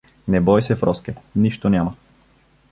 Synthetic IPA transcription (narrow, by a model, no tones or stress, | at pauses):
nɛbɔjsɛfɾɔskɛniʃt̪onʲjamə